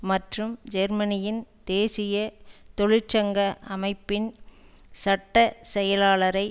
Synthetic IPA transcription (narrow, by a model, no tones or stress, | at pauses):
mɐʈrɯmd͡ʒɛɾmɐnɪjɪnd̪̥eːsɪjɐt̪ɔɻɪt͡ʃːɐŋɡɐʔɐmɐɪpːɪn | sɐʈːɐsɛjɐlaːlɐɾɐɪ